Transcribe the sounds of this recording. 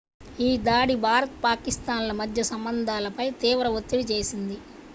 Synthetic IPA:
iːd̪aːɽibʱaːɾɐt̪paːkist̪aːnlɐmɐd̪ʱjɐsɐmbɐnd̪ʱaːlɐpɐjt̪iːʋɾɐʋot̪ːiɽit͡ʃe̞ːsind̪i

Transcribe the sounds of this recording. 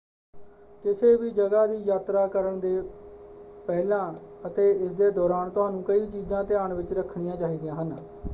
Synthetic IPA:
kɪseːʋiːd͡ʒəɡaːd̪iːjaːt̪ɾaːkəɾəɳd̪eː | pɛːlãːət̪eːɪsd̪eːd̪ɔːɾaːnt̪ʊɦaːnũːkəiːt͡ʃiːzãːt̪ɪaːɳʋɪt͡ʃɾəkʰːɽɪjãːt͡ʃaːiːd̪ɪjãːɦən

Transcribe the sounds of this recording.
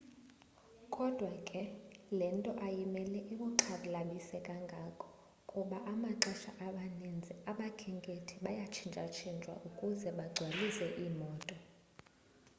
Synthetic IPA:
kʼɔd̥ʱwakʼɛlɛntʼɔʔajimɛlɛʔiɓuǁʰaɓlaɓisɛkʼaŋɡʱakʰʼɔ̥ | kʼuɓaʔamaǁɛʃaʔaɓanind͡zʱɛaɓakʰɛŋkʼetʰiɓajat͡ʃʰind͡ʒʱʼa̰t͡ʃʰind͡ʒʼwa̰ʔukʼuzɛɓaɡ͡ǀʱwalisɛʔiːmɔːtʼɔ

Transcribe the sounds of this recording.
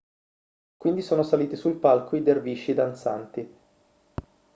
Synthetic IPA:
kwind̪isoːnosaliːt̪isulpalkʰoid̪erviːt͡ʃid̪ant̪sa̰nt̪i

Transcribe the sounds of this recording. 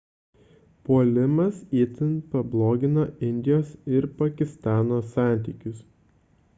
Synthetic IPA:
poːlʲɪmɐsit̪ʲɪnpɐblˠoːɡʲɪnoːɪnʲd̪ʲɪjoːsɪɾpɐkʲɪst̪ɑːnoːsɑˑnʲt̪ʲiːkʲʊs

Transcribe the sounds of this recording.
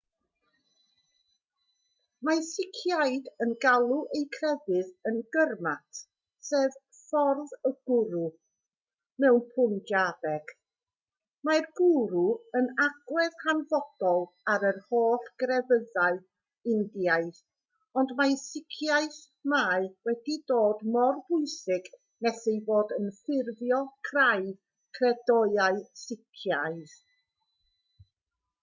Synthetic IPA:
masɪkʰjajdənɡalˠuʔejkʰrɛvɨðənɡərmatʰ | seːv | fɔrðəɡ̥ʊɾu | mɛwnpʰʊndaðɛɡ̥ | marɡʊɾuənaɡ̥wɛðhanvɔd̥ɔlˠ | aɾərhoːɬɡ̥rɛvəðaɨ | ɪndijaɨθ | ɔndmajsɪkʰjajθ | maɨwɛdidoːdmɔrbʊɨsɪɡ | nɛsejvoːdənfɪrvjɔkʰraj | kʰrɛdɔjaɨsɪkʰjajθ

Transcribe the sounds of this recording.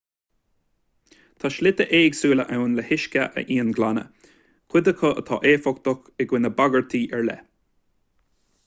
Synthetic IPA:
t̪ʰaʃlɪt̪əʔeːɡsuːləʔawnləhɪʃkəʔə̰ʔiːənɡlanə̰ | kʰɪd̪əkʰəə̰t̪ʰɑ̰ːʔeːfɔkt̪ɔxɛɡwɪnəbaɡəɹt̪ʰiːʔɛɹlɛ̰

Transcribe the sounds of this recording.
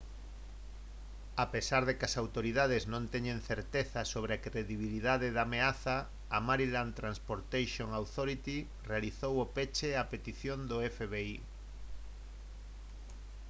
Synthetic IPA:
apesaɾðekɐsawt̪oɾiðað̞eznõnt̪ɛɲẽnθeɾt̪eθɐsoβɾeakɾeðiβ̞iliðaðeðameaθɐː | maɾilant̪ɾanspoɾt̪ejʃoŋawt̪oɾit̪i | realiθowopet͡ʃeapet̪iθjond̪ʊɛfeβei

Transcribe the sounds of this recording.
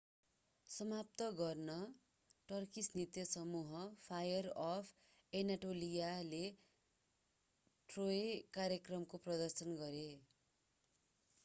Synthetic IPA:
sʌmap̚t̪ʌɡʌrnʌ | ʈʌrkisnit̪jʌsʌmuɦʌpʰajʌrʌpʰ | enaʈolijale | ʈroekaɾjʌkrʌmkoprʌd̪ʌrsʌnɡʌɾe

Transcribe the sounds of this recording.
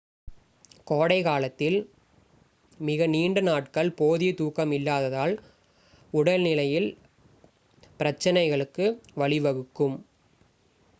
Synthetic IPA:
koːɽɐɪkaːlɐt̪ːɪl | mɪɣɐniːɳɖɯnaːʈkɐɭpoːðit̪uːkɐmɪlːaːðɐðaːl | ʊɽɐlnɪlɐjɪl | pɪɾɐt͡ʃːɐnɐɪɣɐɭɯkːɯʋɐɭɪʋɐɣɯkːɯm

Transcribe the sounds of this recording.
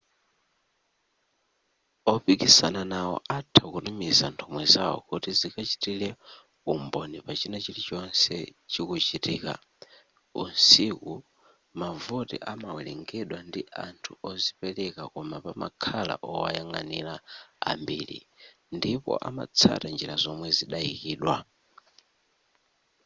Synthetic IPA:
ɔpikisananawɔ̰ʔatʰakunumizantʰɔmwɛzaɔ̰kutizikat͡ʃi̥tilɛ | umbɔnipat͡ʃinat͡ʃilit͡ʃɔnsɛ̰t͡ʃikut͡ʃitiːka̰ | unsiku | mavutḭʔamawɛlɛŋɡɛɗwandiantʰuɔzipɛlɛkakɔmapama̰kʰala̰ʔɔwajaŋanila̰ːmbiːlḭ | ndipɔ̰ʔama̰t͡sʰa̰tand͡ʒiɾazɔmwɛziɗaikiːɗwa

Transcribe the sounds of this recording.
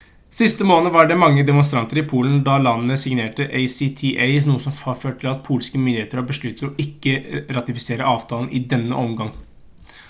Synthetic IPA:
sɪst̪əmoːnəʋɑɖɛmɑŋːəd̪ɛmʊnst̪ɾɑnt̪əɾɪpʰuːln̩d̪ɑlɑnənəsɪŋneːʈəʔeɪsit̪ʰiʔeɪnuːəsɔmɑføːʈ̚ʈ̪ʰɪlɑt̪̚pʰuːlskəmʏnd̪ɪeːt̪əɾɔbəʂɭʉt̪ːəɾɔʔɪkːəɾɑt̪ɪfɪseːɾəʔɑːʋt̪ʰɑːln̩ʔɪd̪ɛnːə̰ʔɔmɡɑŋ

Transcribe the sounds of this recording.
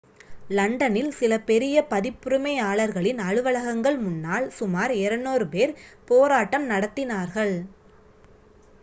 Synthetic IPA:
lɐɳɖɐnɪlsɪlɐpɛɾɪjɐpɐðɪpːʊɾɯmɐɪaːɭɐɾɣɐɭɪnɐɻɯʋɐɭɐɣɐŋɡɐɭmʊnːaːɭsʊmaːɾɪɾɐnːoːɾɯpeːɾpoːɾaːʈːɐmnɐɽɐt̪ːɪnaːɾɣɐɭ

